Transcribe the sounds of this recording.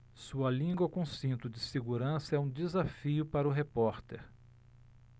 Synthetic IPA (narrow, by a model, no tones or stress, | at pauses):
suɐlĩŋɡwɐkõsĩnt̪ʊd͡ʒɪseɡuɾɐ̃sɐɛũd͡ʒɪzafiʊpaɾɐʊɦepɔɾt̪eɾ